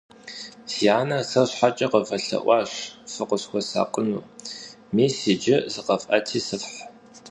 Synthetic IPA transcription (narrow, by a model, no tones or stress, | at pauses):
sjaːnɐsɐɕħat͡ʃʼɐqəfɐɬɐ̰ʔʷɑːɕfɨqʷəsxʷɔsa̰ːqʷənṵː | miːsid͡ʒɪzɨqɐfʔɐtʰiːsɨfħ